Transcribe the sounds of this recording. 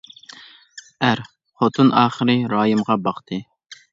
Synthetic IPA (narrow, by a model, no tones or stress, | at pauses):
æɾ | χot̪ʰunʔɑːχəɾɨɾɑːjɨmʁɑbɑqt̪ʰɨ